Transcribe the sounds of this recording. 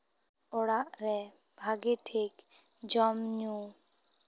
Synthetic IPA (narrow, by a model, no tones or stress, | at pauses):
ɔɽaʔɾɛ | bʱaɡeʈʰek | d͡ʒɔmɲũ